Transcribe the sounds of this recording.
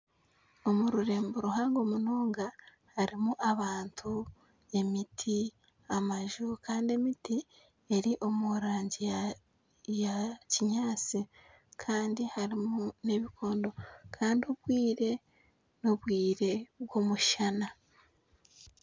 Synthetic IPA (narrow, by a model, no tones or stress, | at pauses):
o̞muɾuɾe̞ːmboɾuhaːŋɡo̞muno̞ːŋɡa | haɾimuʔaβaːntʰu | e̞mitʰi | amaʒukʰaːndie̞miti | e̞ɾiʔo̞muɾaːɲɟi | jaciɲaːt͡si | kʰaːndihaɾimune̞βikʰo̞ːndo̞kʰaːndioβwiːɾe̞ | noβwiːɾe̞βɡo̞muʃana